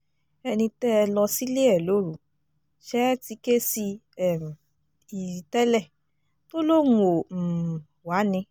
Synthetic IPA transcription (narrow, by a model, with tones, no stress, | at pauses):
ɛ˧nĩ˧tɛ˦˧lɔ˧si˦le˦ɛ˦˨lo˨˦ɾu˨ | ʃɛ˦ti˧ke˦si˧ɛ˨m˨ | i˨i˨tɛ˦lɛ˦˨ | to˦lo˦˨nũ˦o˨ | wa˨˦nĩ˧